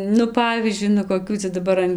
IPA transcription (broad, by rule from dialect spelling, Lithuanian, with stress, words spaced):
nʊ ˈpɑːʋʲiːzʲd͡ʒʲʊɪ nʊ koːˈkʲuː t͡sɐ dɐˈbɐr ɐn